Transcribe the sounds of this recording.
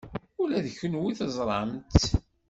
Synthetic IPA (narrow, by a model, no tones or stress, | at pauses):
ʊlæðəçənwiθəzˤɾˤɑmt̪